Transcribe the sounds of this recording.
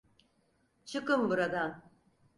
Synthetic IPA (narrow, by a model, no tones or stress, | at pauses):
t͡ʃʰɯkɯmbuɾad̪an